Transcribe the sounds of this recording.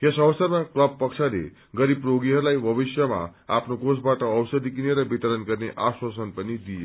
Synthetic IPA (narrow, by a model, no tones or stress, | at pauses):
esʌwsʌɾmaklʌbpʌksʰalḛ | ɡʌɾib̚pɾoɡiɦʌɾlajbʱʌbisjʌma̰apnokosbaʈʌːwsəd̪ik̬ineɾʌbit̪əɾənɡʌɾneʔaswasənpʌnid̪ije